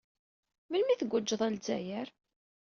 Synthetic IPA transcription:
məlmiθəɡʷːəd͡ʒːəðˤælzæ̰jæɾ

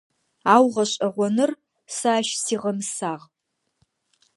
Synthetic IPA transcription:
aːwʁɐɕʼɐʁʷɔnɨr | saːʃsiːʁɐmɨsaːʁ

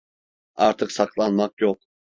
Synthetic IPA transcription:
a̰ɾt̪ʰɯksaklˠanmakjok̚

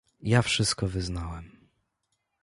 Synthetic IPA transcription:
jafʂɘst̪̚kɔvɘznawɛm

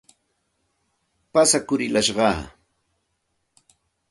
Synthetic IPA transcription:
pasakʊɾɪlaʃɢɑ̰ː

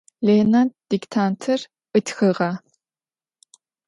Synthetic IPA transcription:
leːnant̚d̥iktʰaːntʰɐr | ʔɨtʰxɨʁɐ

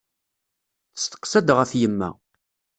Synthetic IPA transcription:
θə̥st̪ə̥qsæd̪ʁæθjəmːæ̰

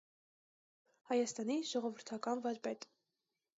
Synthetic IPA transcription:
hɑjɑst̪ɑniʒɔʁɔvəɾt̪ʰɑkɑnvɑɾbɛt̪ʼ

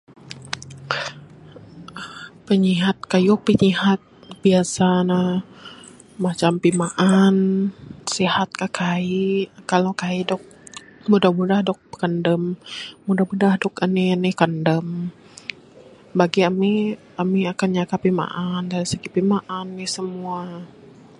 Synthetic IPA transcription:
pəɲiɦat̪̚kajupəɲiɦat̪̚biasana | mat͡ʃampimaʔansihat̪̚kakaikalokaidɔk̚mudahmudahdɔk̚bəkandəmːudahbudahdɔkaninɪhkandəm | baɡiami | amiakanɲakapima̰ʔandaɾisəɡipimaʔanːɪsəmua

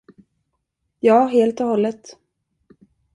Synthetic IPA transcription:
jɑːɦeːlt̪ɔhɔlːət̪

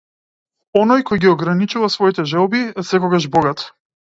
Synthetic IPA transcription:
ɔnɔjkɔjɡiɔɡɾanit͡ʃuvasvɔit̪ɛʒɛlˠbiɛsɛkɔɡaʒbɔɡat̪

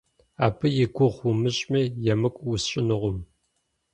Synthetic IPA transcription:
aːpʰɨjɪɡʷʊʁumɨɕʼmijɛmɨkʷʼwʊsɕʼɪnɨʁʷʊm

